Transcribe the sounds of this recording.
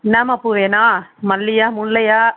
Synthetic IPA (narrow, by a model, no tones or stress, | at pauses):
naːmɐpːuʋeːnaːmɐlːɪjaːmʊɭːɐjaː